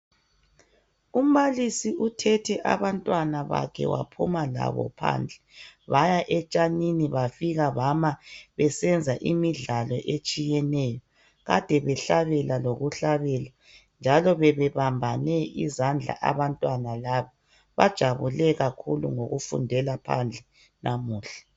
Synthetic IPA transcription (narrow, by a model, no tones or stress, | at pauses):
um̩βalisiʔutʰɛtʰɛʔa̰βantʼwanaβa̰kʰɛ̰wa̰pʰṵmala̰βɔ̰pʰa̰ːnd͡ɮʱɛβajaʔɛt͡ʃʼaniniβafiɣaβamaβɛsɛnd͡zʱaʔimiɮalɔʔet͡ʃʼijɛnɛːjɔ | ɣa̰d̥ʱɛβɛɬaβɛlaloɣuɬaβɛla | nd͡ʒʱalɔβɛβɛβambʱanɛʔizand͡ɮʱa̰ʔa̰βantʼwanalaβa | βa̰d̥ʒ̥ʱaβulɛɣakʰulṵŋoɣufṵndʱɛlapʰa̰nd͡ɮʱɛ | nʔamuːɬḁ